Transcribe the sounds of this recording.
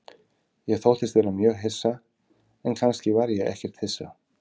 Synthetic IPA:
jɛɣθowht̪ɪst̪ðeɾamjœːɣɦɪsːa | ɛnkʰanscɪvaɾjɛɛ̰hcɛr̥t̪hɪsːa̰

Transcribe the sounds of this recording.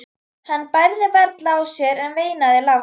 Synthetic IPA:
hanːpajɾðɪpɛɾt̪lawsjɛɾɛnveːjnaðɪla

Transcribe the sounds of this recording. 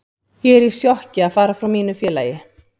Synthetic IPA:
jɛɛɾisjɔhcɪaðfaːɾafɾawmiːnʏfjɛːla̰ːjɪ

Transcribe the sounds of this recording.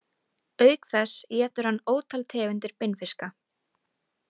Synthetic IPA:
œːɥkθɛsjɛːt̪ʏɾ̥hanːoːwt̪ʰalt̪ʰɛːɣʏnt̪ɪɾ̥pɪnfɪska

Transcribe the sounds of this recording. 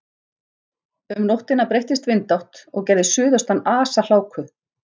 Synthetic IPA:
ʏmnowht̪ɪnapɾejht̪ɪst̪vɪnt̪awht̪ɔ̰ɣcɛɾðɪsʏːðʏst̪anaːsal̥aːwkʰʏ

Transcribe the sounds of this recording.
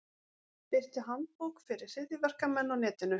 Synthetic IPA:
pɪr̥t̪ɪɦant̪̚poːwkfɪɾɪɾ̥sɪðɪvɛr̥kamɛnːawnɛːt̪ɪnʏ

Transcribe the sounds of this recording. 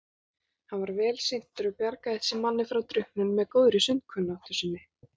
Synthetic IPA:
hanvaɾvɛːlsejn̥t̪ʏɾʏpjaɾkaɪsɪmanːɪfɾawt̪ɾʏhpnʏnmɛðkoːwðɾɪsʏnt̪̚kʰʏnːawht̪ʏsɪnːɪ

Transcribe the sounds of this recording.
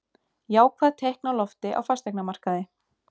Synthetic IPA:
jaːwkʰvaːðt̪ʰejhknawlɔft̪ɪʔa̰wfast̪ejknamar̥kaðɪ

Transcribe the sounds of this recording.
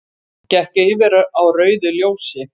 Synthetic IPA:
cɛhcejvɛɾaʔawrœːɥðʏljoːwsjɪ

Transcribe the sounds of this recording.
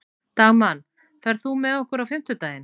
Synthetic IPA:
t̪aɣman | fɛɾðθumɛðɔhkʏɾawfɪm̥t̪ʏt̪aːjɪn

